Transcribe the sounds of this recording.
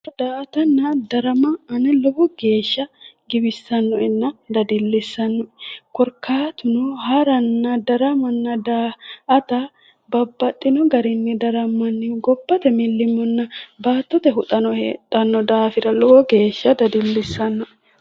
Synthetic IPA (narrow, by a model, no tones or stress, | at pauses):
d̪aːʔɐt̪ɐnːɐd̪ɐɾɐmɐɐnɛlɔbɔɡ̥e̞ːʃːɐɡɪbɪsːɐnːɔʔɛnːɐd̪ɐd̪ɪlːɪsːɐnːɔʔɛkɔɾkʰaːt̪ʊnɔhɐɾɐnːɐd̪ɐɾɐmɐnːɐd̪aːʔɐt̪ɐ | bɐbːɐt̪ʼːɪnɔɡɐɾɪnːɛd̪ɐɾɐmːɐnːɪɡɔbːɐt̪ɛmɪlːɪmːɔnːɐbaːt̪ːɔt̪ɛɦʊt̪ʼɐnɔhḛt̪ʼːɐnːɔd̪aːfɪɾɐlɔbɔɡe̞ːʃːɐd̪ɐd̪ɪlːɪsːɐnːɔʔ